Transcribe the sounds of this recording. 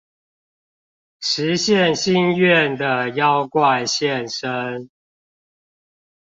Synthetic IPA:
ʂɻ̩˨˦ɕjɛ˥˨nɕi˥˦nɥɛ˥˨nd̪ə˨jɑ˦ʊkwa˥˨ɪɕjɛ˥˨nʂə˦n

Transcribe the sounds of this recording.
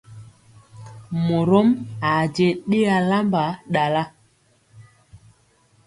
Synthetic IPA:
mo˨ɾo˦ma˨d͡ʒe˨ɗe˦a˨la˦mba˨˦ɗa˨la˦

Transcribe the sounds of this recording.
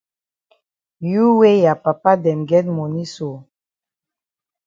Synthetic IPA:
ju˦we˦ja˨pa˨pa˦dɛ˨mɡɛ˦tmo˨ni˦so˨

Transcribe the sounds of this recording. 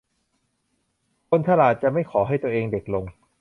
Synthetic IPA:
kʰo˧nt̪ʰa˧laː˨˩t̪̚t͡ɕa˨˩ʔma˥˩jkʰɔː˩˦ɦa˥˩jt̪u˧ʔeː˧ŋde˨˩k̚lo˧ŋ

